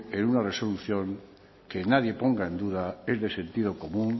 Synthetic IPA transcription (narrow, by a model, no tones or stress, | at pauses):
enunareso̞luθjõŋ | kenað̞je̞poŋɡaẽnd̪uðaezðesẽ̞nt̪ið̞okomũŋ